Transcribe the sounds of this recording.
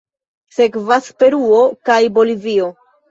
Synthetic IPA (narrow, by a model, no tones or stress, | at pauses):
se̞kvaspe̞ɾuo̞kajbo̞livio̞